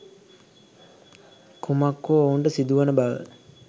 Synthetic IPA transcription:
kʰumakːoouɳɖəsid̪uʋanəbaʋə̰

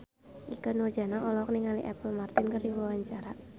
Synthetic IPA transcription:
ʔikənurd͡ʒa̤naʔɔlɔk̚niŋalḭʔɛpəlmart̪ɪnkərdiwawaɲt͡ʃaɾa

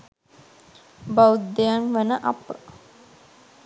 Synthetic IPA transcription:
bawut̪d̪ejanʋənəʔapə

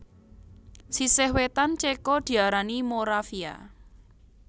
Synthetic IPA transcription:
sisehwet̪ant͡ʃekɔd̪̥i̤aɾanimoɾafia̰

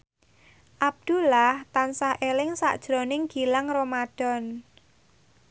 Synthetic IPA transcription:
ʔab̚d̪̥ulaht̪ansahʔelɪŋsa̰ʔd̥ʒ̥ɾɔ̤nɪŋɡ̥i̤laŋromad̥ɔ̤n

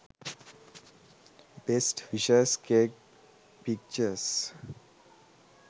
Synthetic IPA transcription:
besʈfiʃəskeːk | pik̚t͡ʃəɾs

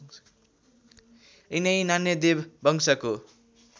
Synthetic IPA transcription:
inʌjnanjʌd̪ebbʱʌŋsako

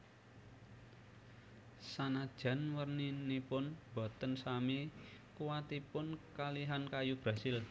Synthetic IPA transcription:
sanad̥ʒ̥a̤nwərninipʊnb̥ɔ̤t̪ənsamikuwat̪ipʊnkaliɦankajub̥ɾasɪl

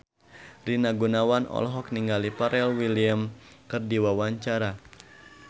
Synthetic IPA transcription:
rinaɡunawanɔ̰lɦɔk̚niŋɡalipaɾɛlwiliamkɨrdiwawaɲt͡ʃaɾa

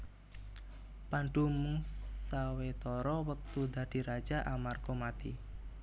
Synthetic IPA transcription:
panɖumuŋsawet̪ɔɾɔwək̚t̪ud̪a̤d̥i̤ɾḁd͡ʒaʔamarkomat̪i

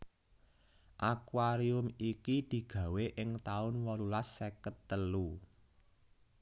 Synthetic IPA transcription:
ʔakwaɾiʊmikid̪̥i̤ɡ̥ä̤weʔɪŋt̪aʊnwɔlulasːekət̪ːəlu

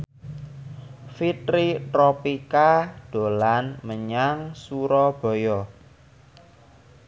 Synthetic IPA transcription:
fit̪ɾit̪ɾɔpikad̪̥o̤lanməɲaŋsuɾɔb̥ɔ̤jɔ

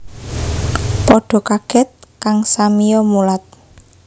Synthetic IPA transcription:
pɔɖ̥ɔ̤kaɡ̥ɛ̤t̪̚kaŋsamijɔmulat̪̚

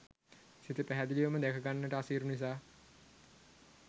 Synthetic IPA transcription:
sit̪ipæɦæd̪iliʋəməd̪ækʰəɡanːəʈəasiːɾunis̬aː

